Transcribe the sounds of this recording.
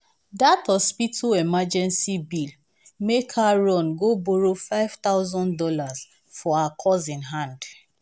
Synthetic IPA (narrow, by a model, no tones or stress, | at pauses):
dathɔspitʰoɛmad͡ʒɛ̃nsibil | mekʰaɹɔ̃nɡoboɹofaɪv̥t̪aʊzɔ̃ndɔlaz | fɔaakʰɔzĩnɦãnd